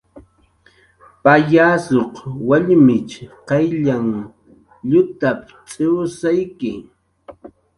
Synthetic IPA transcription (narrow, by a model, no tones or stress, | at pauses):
pajaːsoqwaʎmɪt͡ʃqɑjʎaŋ | ʎʊt̪ap̚ | t͡sʼɪwsajkɪ